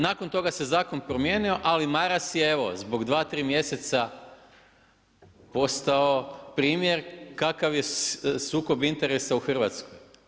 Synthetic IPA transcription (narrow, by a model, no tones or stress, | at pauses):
naːkont̪o̞ɡase̞zaːkonpɾomjeːnio̞ʔalimaɾasjeeʋo̞̰zbo̞ɡd̪ʋaːt̪ɾiːmje̞se̞t̪sa | po̞st̪aopɾiːmje̞ɾkakaʋjesuːko̞bint̪e̞ɾe̞sauxr̩ʋat̪skoj